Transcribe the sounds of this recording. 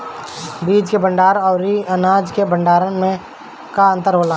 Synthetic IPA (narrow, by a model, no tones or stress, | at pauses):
biːd͡ʒkebə̃ɳɖaːɾɔːɾiənaːd͡ʒkebə̃ɳɖaːɾənmẽ | kaə̃nt̪əɾɦoːlaː